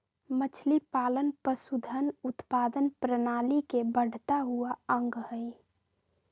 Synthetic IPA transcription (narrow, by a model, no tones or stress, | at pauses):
mət͡ʃʰlipaːlənpəsud̪ʱənʊt̪paːd̪ənpɾənaːlikebəɽ̤t̪aɦuaə̃ŋɡhəi